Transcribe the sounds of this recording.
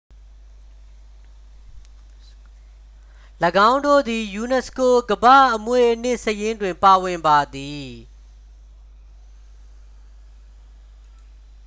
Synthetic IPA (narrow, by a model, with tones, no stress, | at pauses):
ləɡã˦ʊ̃ndo̰˦˨d̪i˨ju˨nɛ˨sko˨ɡəbä̰˦˨ʔəmwe˦˨ʔən̥ɪ˦˨ʔsəjɪ̃˦ndwɪ̃˨mpa˨wɪ̃˨mba˨d̪i˨